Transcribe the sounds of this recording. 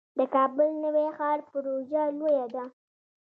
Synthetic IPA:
d̪əkɑbʊlnəwexɑɾpʊɾoʒalojad̪a

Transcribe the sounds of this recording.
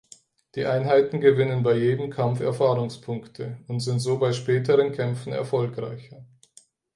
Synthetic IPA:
d̥iːʔaɪnɦaɪtn̩ɡəvɪnənbaɪjeːdəmkʰamfɛɐfaːʁʊŋspʰʊŋktʰəʊntz̥ɪntz̥oːbaɪʃpɛːtʰəʁənkʰɛmfn̩ɛ̰ɐfɔlkʁaɪçɐ

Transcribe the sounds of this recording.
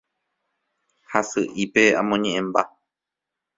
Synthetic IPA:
hasɨʔipe̞ã̰mõɲẽʔẽmba

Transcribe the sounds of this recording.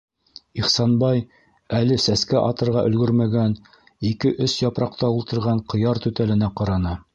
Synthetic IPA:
iχsɑnbɑj | ælɘsæskæʔɑt̪ɤ̆ɾʁɑʔɵ̆lɡɵɾmæɡæn | ikɘʔɵsjɑpɾɑq̚t̪ɑulˠt̪ɤ̆ɾʁɑɴqɤ̆jɑɾt̪ʉt̪ælɘ̆næqɑɾɑnɤ

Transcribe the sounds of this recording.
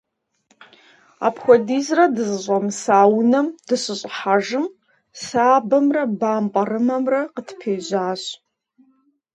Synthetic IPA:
a̰pxʷɔdiːzrɐdɨzɨɕʼɐmsaːwnɐmd̥ɨɕɨɕʼħaʒɨm | saːbɐmrɐbaːmpʼɐrɨmɐmrɐqətpʰeːʑaːɕʼ

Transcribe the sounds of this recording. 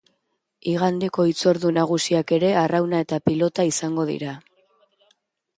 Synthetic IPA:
iɣand̪e̞ko̞it͡so̞ɾðunaɣ̞usiake̞ɾe̞arawnae̞t̪apilo̞t̪aisaŋɡo̞ðḭɾa

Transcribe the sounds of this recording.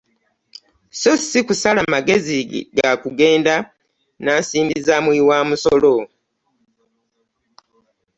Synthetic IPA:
sosikusalamaɡe̞ziɡakuɡe̞ːnda | naːsiːmbizamwiwaːmusolo

